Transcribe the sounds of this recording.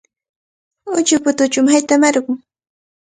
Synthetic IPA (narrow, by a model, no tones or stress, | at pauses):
ʊt͡ʃʊpʊt̪ʊt͡ʃʊmhajt̪amaɾɢʊŋ